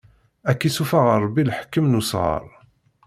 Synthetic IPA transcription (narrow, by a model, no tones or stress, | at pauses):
ækːisufaʁəɾˤbːilħkːəmnusʁə̰ɾˤ